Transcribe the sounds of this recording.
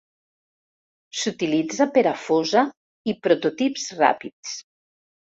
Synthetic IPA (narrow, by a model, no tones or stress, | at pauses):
sut̪ilid͡zapeɾafoza | ipɾot̪ot̪ipzra̰pit͡s